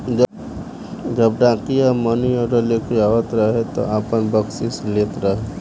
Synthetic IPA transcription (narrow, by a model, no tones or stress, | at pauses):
d͡ʒ | d͡ʒəb̚ɖãːqijamənioɾəleːkʰiaːʋət̪ɾɐɦet̪o̰aːpənbəksisleːt̪ɾɐɦe